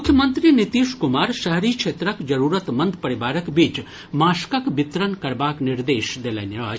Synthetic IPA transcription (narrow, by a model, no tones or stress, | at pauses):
ʊkʰjəmənt̪ɾinit̪iʃkumaːɾʃəɦɾit͡ʃʰeːt̪ɾəkd͡ʒəɾuːɾət̪mənd̪pɐɾibaːɾəkbiːt͡ʃ | maːskəkbɪt̪ɾənkɐɾbaːkniɾd̪eːʃd̪eleniɾa̰ː